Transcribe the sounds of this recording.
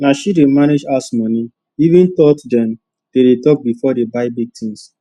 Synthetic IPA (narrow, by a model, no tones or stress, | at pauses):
naʃidemaned͡ʒasmɔni | ivĩntɔtdɛ̃m | d̥edetɔk̚bifɔdebaɪbiɡ̚tʰĩŋs